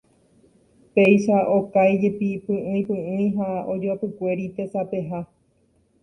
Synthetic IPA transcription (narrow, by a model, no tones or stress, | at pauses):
pe̞jʃaʔokajd͡ʒe̞pipɨ̃ʔɨ̃ĩpɨ̃ɨ̃j̃ɦaod͡ʒopɨkʷe̞ɾit̪e̞sape̞ɦa